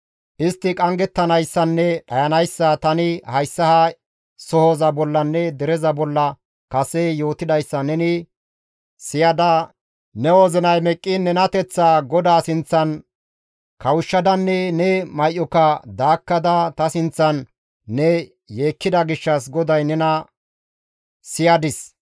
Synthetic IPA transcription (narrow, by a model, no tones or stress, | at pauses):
ʔɪst̪ːɪkʼɐŋɡɛt̪ːɐnɐjsːɐnːɛɗɐjɐnɐjsːɐt̪ɐnɪhɐjsːɐhɐ | sɔhozɐbɔlːɐnːɛd̪ɛɾɛzɐbɔlːɐ | kɐsɛjo̞ːt̪ɪd̪ɐjsːɐnɛnɪ | sɪjɐd̪ɐ | nɛwozɪnɐjmɛkʼːɪnɛnɐt̪ɛt͡sːaɡɔd̪aːsɪnt͡sːɐn | kɐwʊʃːɐd̪ɐnːɛnɛmɐjʔːɔkɐd̪aːkːɐd̪ɐt̪ɐsɪnt͡sːɐnː | ɛ | je̞ːkːɪd̪ɐɡɪʃːɐs̬ɡɔd̪ɐjnɛnɐ | sɪjɐd̪ɪs